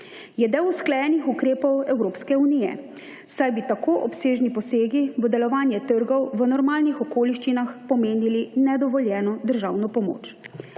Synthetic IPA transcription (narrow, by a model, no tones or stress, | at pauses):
jɛd̪ewusklɛjɛnixukɾeːpɔwɛwɾoːpskɛunijɛ̰ | sajbit̪akoːʔɔpseːʒnipɔseːɡiʋəd̪ɛlɔʋaːnjɛt̪əɾɡɔwʋənɔɾmaːlnixɔkoːliʃt͡ʃinaxpɔmeːnilinɛd̪ɔʋɔljɛːnɔd̪əɾʒaːwnɔpɔmo̰ːt͡ʃ